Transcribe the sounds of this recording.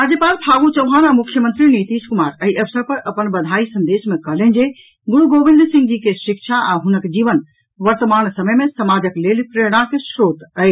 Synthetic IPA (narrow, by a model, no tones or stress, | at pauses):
ad͡ʒepaːlpʰaɡut͡ʃəwɦanamʊkʰjəmə̃nt̪ɾinit̪iːskumaːɾəɦiʔəʋsəɾpəɾʔəpənbɐd̪ʱaisə̃nd̪eːsmẽkəɦlẽnd͡ʒe | ɡʊɽuɡoʋɪ̃nd̪sĩŋɡd͡ʒikeʃɪkʃʰaʔaɦʊnəkd͡ʒiːʋən | ʋəɾt̪əmaːnsəməjmẽsəmaːd͡ʒəklelipɾeɽ̃ãkeʃɾoːt̪əe